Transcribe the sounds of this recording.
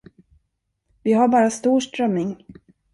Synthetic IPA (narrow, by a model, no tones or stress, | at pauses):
vɪɦaɾbɑːɾast̪uːʂʈɾœmːɪŋ